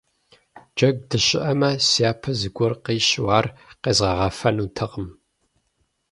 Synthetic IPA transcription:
d͡ʒɐɡ̚dɨɕʼɪʔɐmɐsijaːpʰɐzɨɡʷɔrqiːɕwaːrqeːzʁɐʁɐfɐnuːtʰɐqəm

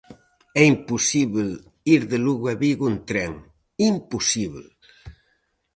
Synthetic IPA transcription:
ɛimpusiβl | iɾðeluɣwaβiɣunt̪ɾɛŋ | impusiβl

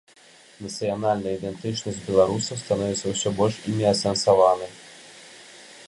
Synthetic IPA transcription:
nɐt̪sɨjanalʲnɐid̪ɛnt̪ɨt͡ʂnɐzʲtʲbʲɛlˠaɾusɐst̪anɔvʲɛt̪sːɐwsʲɔbɔlʲʂimʲɛɐsɛnsavanɐ

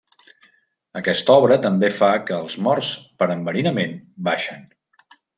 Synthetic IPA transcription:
əkɛst̪ɔβɾət̪əmbefakəːlˠzmɔrspəɾəmbəɾinəmenbaʃən

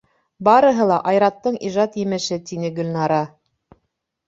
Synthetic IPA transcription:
bɑɾɤ̆ɦɤlˠɑʔɑjɾɑt̪ːɤɴiʒɑt̪jɘ̆mɘ̆ʃɘt̪inɘɡɵ̆lʲnɑɾɑ

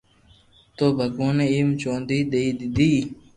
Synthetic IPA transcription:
t̪oːbɐkuːneimt͡ɕoːnd̪iːd̪eid̪id̪iː

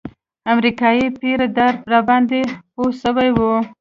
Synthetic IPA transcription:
amɾikɑjipeɾad̪aɾɾabɑnd̪eposəwajwu

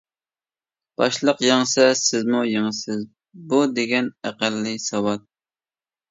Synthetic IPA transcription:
b̥ɑʃlˠəqjeŋsɛsɪzmujeŋəsɪz | bud̪eɡʲɛnæqælːɨsɑwɑt̪̚

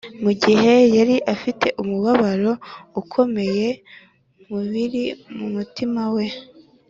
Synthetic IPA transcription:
muɟiɦe̞jaɾiʔafitʰe̞ʔumuβaβaɾo̞ukʰo̞me̞je̞ | muβiɾimumutimawe̞

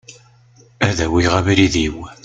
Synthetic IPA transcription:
æðæwiʁæviɾiðiw

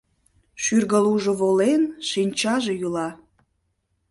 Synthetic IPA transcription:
ʃyrɣəluʒoβolenʃinʲt͡ɕɑʒejulɑ

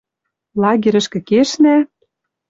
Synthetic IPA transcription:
lɑɣʲiɾɘ̆ʃkɘ̆keʃnæ

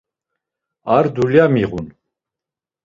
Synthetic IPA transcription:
aɾd̪uljamiʁun

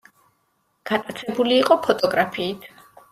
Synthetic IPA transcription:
ɡ̥at̪ʼat̪sʰɛbuliːqʼɔpʰɔt̪ʼɔɡɾapʰiːt̪ʰ

